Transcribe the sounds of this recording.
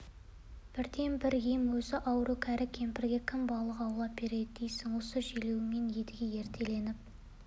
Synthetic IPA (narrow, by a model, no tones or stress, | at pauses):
b̥ɪɾd̪e̞mbɪɾɡijmwɵzɪʔɑwɾukʲʰæɾɪkʲʰe̞mpɪɾɡʲe̞kʲʰɪmbɑlˠəqɑwlˠɑp̚be̞ɾe̞d̪ɪd̪ejsɪŋwo̞səʒilewɪme̞nje̞d̪ɪɡʲe̞je̞ɾt̪ʰe̞le̞nɪp̚